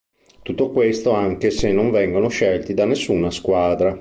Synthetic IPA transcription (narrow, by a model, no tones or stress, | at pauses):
t̪ut̪ːokwest̪oaŋkesenːoɱvɛŋɡonoʃɛlt̪id̪anːesːuːnaskwaːd̪ɾa